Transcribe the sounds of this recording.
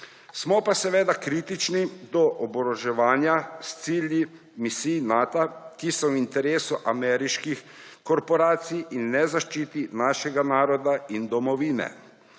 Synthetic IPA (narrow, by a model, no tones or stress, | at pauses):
smɔpasɛʋeːd̪akɾiːt̪it͡ʃnid̪ɔʔɔbɔɾɔʒɛʋaːnjast̪silji | misijnaːt̪akisɔwint̪ɛɾeːsuʔamɛɾiʃkixkɔɾpɔɾaːt̪sijinːɛzaʃt͡ʃiːt̪inaːʃɛɡanaːɾɔd̪aind̪ɔmɔʋiːnɛ̰